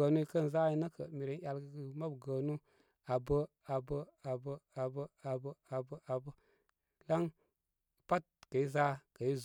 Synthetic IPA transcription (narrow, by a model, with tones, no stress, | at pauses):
ə˨nu˦i˦kə˦˨n˨za˦i˦nə˦kə̰˨mi˨ɾe˨n˦ja˨lɡə˨ɡə˨ma˦bɡə˨nu˦ | a˨bə˦ | a˨bə˦a˨bə˦a˨bə˦a˨bə˦a˨bə˦ʔa˨bə˦ | la˦ŋ˨ | pa˦t̚kə˨i˦za˦kə˨i˦z